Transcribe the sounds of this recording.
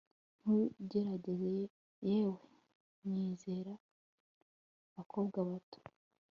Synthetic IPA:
n̥uɟe̞ɾaɟe̞ze | jeːwe | niːze̞ːɾa | βakʰo̞bɡaβato̥

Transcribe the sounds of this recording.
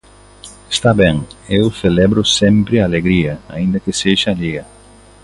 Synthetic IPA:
est̪abẽŋewselɛbɾʊsẽmpɾɪaːleɡɾiɐaĩnd̪ɐkɪseʒɐːliɡɐ

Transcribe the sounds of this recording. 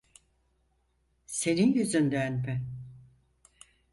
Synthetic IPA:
se̞ninjyzynd̪ɛnpɛ

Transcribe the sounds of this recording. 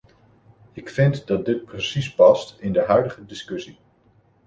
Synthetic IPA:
ɪkfɪntdɑt̚dɪt̚prəsispɑstɪndəɦœɥdəχədɪskɵsi

